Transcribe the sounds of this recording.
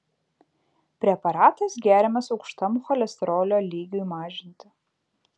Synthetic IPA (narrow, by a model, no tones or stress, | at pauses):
pʲɾʲɛpɐɾɑːt̪ɐsɡʲæːɾʲɪmɐsɒʊkʃt̪ɐmuxɐlʲɛst̪ɾoːlʲoːlʲiːɡʲuimɑːʒʲɪnʲt̪ʲɪ